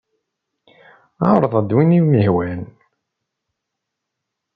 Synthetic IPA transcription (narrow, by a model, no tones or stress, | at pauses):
aɾˤðˤəd̪winiməhwæn